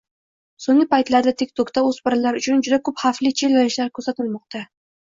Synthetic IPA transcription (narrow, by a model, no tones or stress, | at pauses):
soŋlɪpajt̪laɾd̪at̪ʰik̚ʲt̪ʰokt̪aɵzbɪɾlaɾʊt͡ʃʰʊnd͡ʒʊd̪akʰɵphaflɪt͡ʃʰelanɪʃlaɾkʰɵɾsat̪ʰɪlmɒq̚t̪a